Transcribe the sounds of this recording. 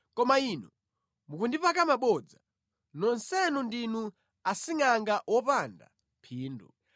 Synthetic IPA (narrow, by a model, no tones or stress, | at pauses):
kɔmainɔ | mukundipakamaɓɔd͡za | nɔnsɛnundinu | asiŋaŋɡaʔwɔpanda̰ | pʰiːndu